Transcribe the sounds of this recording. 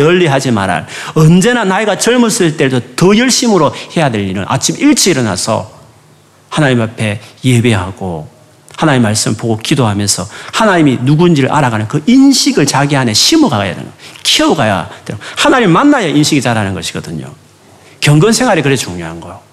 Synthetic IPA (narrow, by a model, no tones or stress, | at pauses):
ʌʎːiɦad͡ʑima̰ɾa̰ʌnd͡ʑe̞nanaiɡat͡ɕʌɭmusɯt͈e̞dotʌjʌɭɕ͈imɯɾohe̞jadwe̞ʎːiɾɯnʔa̰t͡ɕʰimiɭt͡ɕ͈ʰiiɾʌna̰sʰʌ̰ | hanaɲimapʰe̞je̞beɦaɡ̥o̰ | hanaɲimimːaɭs͈ɯmpoɡokidoɦamjʌnsʰʌhanaɲiminuɡuind͡ʑiɾɯɭʔa̰ɾaɡanɯnkɯʔinɕʰiɡɯɭt͡ɕaɡiɦaneɕʰimuɡaɡaja̰dḛnɡʌ̰kʰiʌuɡaja̰tehanaɲimimanːajʌʔinɕʰiɡit͡ɕaɾanɯnɡʌɕʰi̥ɡʌdɯɲo̰ | kjʌŋɡʌnsʰe̞ŋɦaɾikɯɾet͡ɕuŋɲoɦanɡʌjo